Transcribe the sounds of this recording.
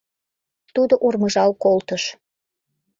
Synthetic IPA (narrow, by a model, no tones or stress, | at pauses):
t̪ud̪oʔurməʒɑlkolt̪əʃ